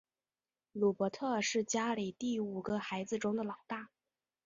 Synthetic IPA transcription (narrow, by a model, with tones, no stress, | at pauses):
lu˨˩pɔ˧˥t̪ʰɤ˥˧ʂɻ̩˥˩t͡ɕja˥li˨˩t̪i˥˩u˨˩ɡə˧xa˧˥ɪd͡zɹ̩˧ʈ͡ʂʊ˥ŋd̪ə˨lɑ˨˩ʊt̪a˥˩